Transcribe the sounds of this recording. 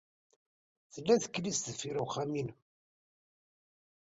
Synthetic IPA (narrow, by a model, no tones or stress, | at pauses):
θəlːæθə̥kːlist̪ðəfiɾuχamin